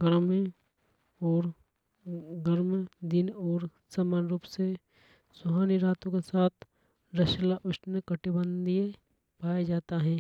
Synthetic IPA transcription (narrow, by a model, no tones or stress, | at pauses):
ɡəɾmẽ | ɔːɾ | ɡəɾmd̪ɪnɔːɾ | saːmaːnɾuːpse | sʊɦaːniɾaːt̪õkesaːt̪ʰ | ɾɐʃlaʔʊʃnəkɐʈibə̃nd̪ijẽ | paːjad͡ʒaːt̪aɦɛ̃ː